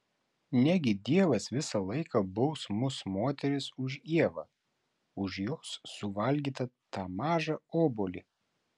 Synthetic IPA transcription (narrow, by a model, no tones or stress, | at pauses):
nʲæɡʲɪd̪ʲiɛʋɐsʋʲɪsɐlˠɐɪkɐbʊʊsmʊsmoːt̪ʲɛɾʲɪsʊʒiɛʋɐ̰ | ʊʒjoːsːʊʋɐlʲɡʲiːt̪ɐt̪ɑːmɑːʒɐoːboːlʲi